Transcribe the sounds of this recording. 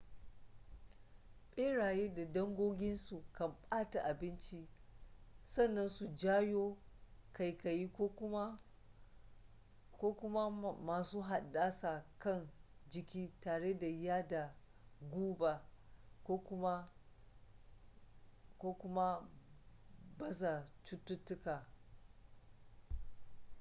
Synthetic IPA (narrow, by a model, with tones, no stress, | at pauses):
ɓʼeː˦ɽaː˨jeː˦da˨dɐ˦ŋɡʷoː˦ɡʲɪ˦nsu˨kɐ˨mɓʼaː˦ta˨ʔa˨bɪ˦nt͡ʃi˦ | sɐ˦˨nːɐ˦nsu˨d͡ʒaː˦joː˦ka˨jka˨jiː˦ko˦ʊ˦ | koː˦kʷʊ˦ma˦maː˨suː˦ɦa˨ɗːaː˦sa˨kɐ˦˨nd͡ʒɪ˨kʲiː˦taː˨ɽe˦da˨jaː˦da˨ | ɡʷuː˦ba˨kʷoː˦kʷʊ˦ma˦ | koː˦kʷʊ˦ma˦ | bɐ˦sa˨t͡ʃʊ˦tːʊ˦tːʊ˦kaː˨